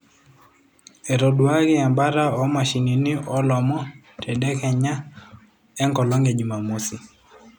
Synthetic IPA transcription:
e˨ɾo˨dwa˦ɡɪ˦a˨mba˦ɾa˦ɔ˦ma˨ʃi˨ŋi˨nɪ˦ɔ˦lɔ˨mɔ˦ | tʰɛ˨dɛ˦kɛɲa˦ | ɛ˦ŋkɔ˨lɔ˦ŋɡe˨d͡ʒi˨ma˨mo˦si˨

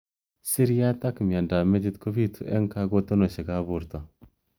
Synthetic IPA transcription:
si˦ɾja˦t̪a˦kmja˨nda˨me˦d͡ʒi˦t̪ko˦bi˦t̪ʰu˨ʔḛ˦ŋka˦ɡo˦t̪o˦no˨ʃe˨ɡa˦bu˨ɾt̪o˨

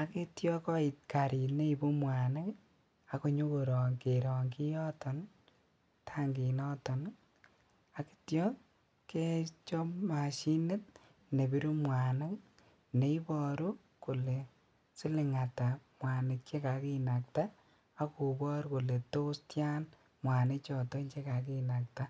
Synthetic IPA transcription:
a˨ke˦tjɔ˦kɔ˦i˨t̚ka˨ɾi˨tne˦i˨bo˦mwa˨na˦k | a˨ko˨ɲo˦ko˨ɾɔ˨ŋke˨ɾɔ˨ŋki˦jɔ˦tɔ˨n | tʰa˦ŋɡi˨nɔ˦tɔ˨n | a˨ki̥˦tjɔ˦ | ke˦t͡ʃɔ˦ma˨ʃi˦nɪ˦t̚ | ne˨bi˦ɾu˦mwa˨nɪ˦k | ne˨˦i˦bɔ˦ɾu˦ | ko˨le˨ | sɪ˦lɪ˨ŋa˨ta˨mwa˨nɪ˨t͡ʃe˦ka˨ki˦na˨ktaː˦ | ku˨bɔ˦ɾko˨le˨to˦stja˦n | mwa˨nɪ˦t͡ʃɔ˨tɔ˦nt͡ʃe˦ka˨k̬i˦na˨k̚ta˦

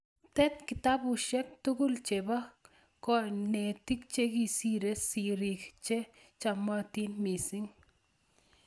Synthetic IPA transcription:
t̪ɛ˦t̪̚ki˨t̪a˦bu˨ʃɛ˦k̚t̪u˦ɡʊ˦lt͡ʃe˨ba˦ | kɔ˨ne˨t̪i˦k̚t͡ʃe˦ki˨si˦ɾe˦si˨ɾi˨kt͡ʃe˦ | t͡ʃa˧ma˦t̪i˦nmi˨si˦ŋ

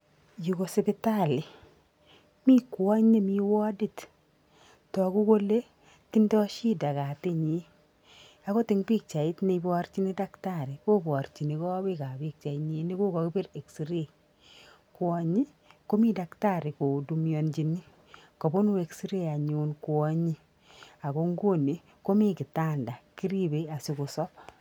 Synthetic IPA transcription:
ju˨ko˨se˨pɪ˦ta˦lɪ˨ | mi˦kwɔ˦ɲe˦mi˦wɔ˦di˦t | tɔ˨ku˦ko˦le˦ | ti˦ndɔ˦ʃi˦da˨ka˨tɪ˦ɲi˨˦ | a˦kɔ˦tɪ˨ŋpi˦k̚t͡ʃa˨i˦tni˧bɔɾt͡ʃi˦ni˦da˦ktaɾi˨ko˦bɔ˨ɾt͡ʃi˨ni˨kɔ˦bi˦ka˨bi˦k̚t͡ʃa˨i˨ɲi˨ni˦ko˦kɔ˨kɪ˦pɪ˦ɾe˨ksi˨ɾe˦ | kwɔ˨ɲi˦ | ko˦mi˦da˨kta˦ɾi˨ko˨du˨mjo˨nd͡ʒi˨ni˦ | kɔ˨bo˦nu˦e˨ksi˦ɾe˦a˨ɲunku˨ɔ˦ɲi˦ | a˨ko˦ŋɡo˦ni˨ | ko˦mi˦ki˨ta˦nda˨ki˦ɾi˦be˨a˨si˦ku˨sɔ˦p

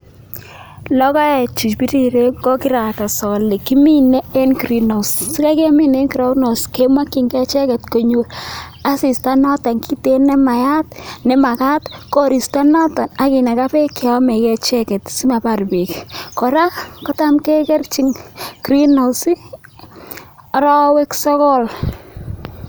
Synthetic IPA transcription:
lɔ˦ka˦ɛ˨t͡ʃi˨t͡ʃpi˦ti˦ɾe˦ɡɔ˦ki˦ɾa˨ka˨sɔ˨li˨ki˦mi˦nɛ˦e˦nkɾi˦no˨ssi˦ka˦ke˦mi˦ne˦nki˨ɾo˦kno˨ske˦ma˦ki˨ŋkɛ˦t͡ʃɛ˦kɛ˨tko˨ɲu˦l | a˦si˨sta˦nɔ˦ta˨ŋki˦te˦nɛ˦ma˨ja˦tnɛ˦ma˨ka˦tkɔ˦ɾi˨sta˦nɔ˦ta˨na˨˦kɪ˨na˨ka˦pe˦kɪ˨ɔ˦mɛ˨kɛ˨t͡ʃɛ˦kɛ˨tsi˦ma˨pa˨rbe˨kkɔ˨ɾa˦kɔ˦ta˦mkɛ˦kɛ˦rt͡ʃi˦ŋkɾi˦no˨si˦ | ɾɔ˦we˦ksɔ˦kɔ˦l

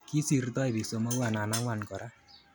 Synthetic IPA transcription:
ki˦si˨rt̪ɔ˦e˨bi˨so˨mo˦wa˨na˨na˦ŋwa˨nkɔ˨ɾa˦

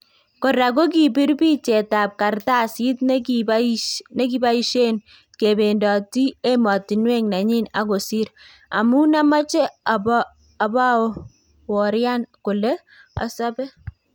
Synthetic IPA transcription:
ko˨ɾa˨ko˦k̬i˨bi˦ɾpi˦t͡ʃe˨ta˨p̚ka˨rta˦˨si˦tn˦ | ne˦ki˦ba˦i˦ʃe˦n | ke˨be˨ndɔ˨ti˦e˦mɔ˨ti˨nwe˦ŋna˨ɲi˦na̰˦ko˨si˦ɾ | a̰˨mu˦na˦ma˦t͡ʃɛ˦a˨bɔː˦˨ | ba˦˨ | wɔ˨ɾja˦nkʊ˨le˦ | a̰˨sɔ˦bɛ˦

